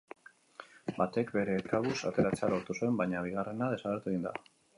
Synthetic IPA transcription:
bat̪e̞kbe̞ɾe̞ːkaβusa̰t̪e̞ɾat͡sealo̞ɾt̪usue̞mbajɲaβ̞iɣ̞are̞naðe̞saɣeɾt̪uɣind̪a̰

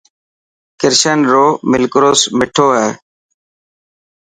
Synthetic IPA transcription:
kɪɾʃənɾoːmɪlkɾoːsmɪʈʰoːɦɛː

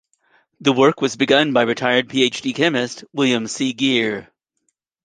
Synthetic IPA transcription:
ðəwɜ˞kwʌzbɨɡʌ̃nbaɪɹɨtʰaɪə˞d̚pʰieɪt͡ʃd̥ikʰɛ̃mɨstwɪlˠjɨ̃msiɡɪɹ

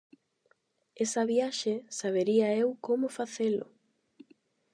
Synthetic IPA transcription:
esɐβjaʃesaβeɾiɐewkomʊfaθelʊ

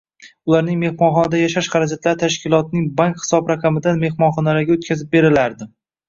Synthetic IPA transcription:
ʊlˠaɾnɪŋme̞hmɒnχɒnad̪ajaʃaʃχɑɾad͡ʒat̪laɾɪt̪ʰaʃkʲɪlˠɒt̪̚nɪŋbaŋkχɪ̥sɒbɾaqʰɑmɪd̪anme̞hmɒnχɒnaɾaɡʲaot̪̚kʲʰazɪp̚be̞ɾɪlaɾd̪ɪ

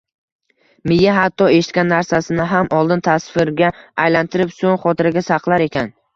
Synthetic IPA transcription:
mɪjːaɦat̪ʰːɒe̞ʃɪt̪kʲanːaɾsasɪnɪɦamʔɒlˠd̪ɪnt̪ʰasfɪɾɡʲaːjlant̪ʰɪɾɪpsoŋχɒt̪ʰɪɾaɡʲasaqlˠaɾe̞kʲʰan

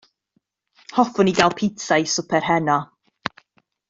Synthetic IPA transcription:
hɔfʊniɡalˠpʰɪtʰajsʊpʰɛrɦɛnɔ

